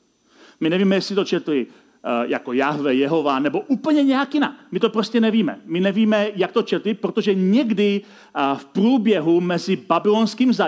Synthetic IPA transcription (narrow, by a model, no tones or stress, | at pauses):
mɪnɛviːmɛjɛsɪt̪o̞t͡ʃɛt̪lɪ | ja̰ko̞jaɦvɛjɛɦo̞vanɛbo̞ʔuːpl̩ɲɛɲɛjakjɪna̰kmɪt̪o̞pɾoscɛnɛviːmɛ̰mɪnɛviːmɛjak̚t̪o̞t͡ʃɛt̪lɪpɾo̞t̪o̞ʒɛɲɛɡdɪ | fpɾuːbjɛɦumɛzɪbabɪlonskiːmza